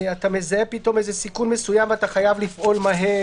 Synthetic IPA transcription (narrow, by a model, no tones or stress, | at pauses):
atamezaepito̞mezesikunmesujamvataχajavlifʔo̞lmaɦe